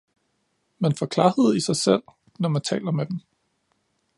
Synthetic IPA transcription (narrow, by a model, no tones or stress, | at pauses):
mænfɒkʰlɑ̈ːhe̝ð̰ˠisɑ̈ɪsel̰ | nɒmænt͡sʰɛ̰ːlɐmed̥em